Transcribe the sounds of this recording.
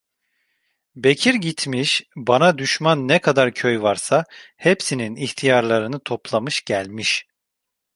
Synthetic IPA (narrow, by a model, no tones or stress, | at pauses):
becʰiɾɟit̪ʰmiʃbanad̪yʃmanːɛkʰad̪aɾcʰøjvaɾsahepsininiçt̪ʰijaɾlˠaɾɯnɯt̪ʰo̞plˠamɯʃɟ̥ælʲmiʃ